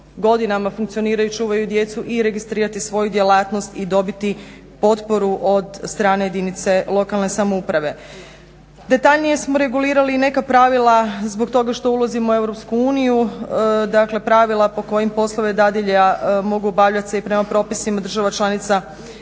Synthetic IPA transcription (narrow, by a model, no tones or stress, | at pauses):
ɡo̞d̪inamafuŋkt̪sio̞niːɾajut͡ʃuːʋajud̪je̞t̪suʔiɾe̞ɡist̪ɾiːɾat̪isʋo̞jud̪jelaːt̪no̞st̪id̪o̞bit̪i | po̞t̪po̞ɾuʔo̞d̪st̪ɾaːne̞jed̪init̪se̞lˠo̞kalˠne̞samoupɾaʋe̞ | d̪e̞t̪aʎnije̞smo̞ɾe̞ɡuliːɾaliːne̞kapɾaʋilˠazbok̚t̪o̞ɡaʃt̪o̞ulˠazimoue̞vɾopskuuːnijud̪akle̞pɾaʋilˠapo̞ko̞jimpo̞slˠoʋed̪ad̪iʎamo̞ɡubaʋʎat̪seipɾe̞mapɾo̞ːpisimad̪ɾr̩ʒaʋat͡ʃlˠanit̪sa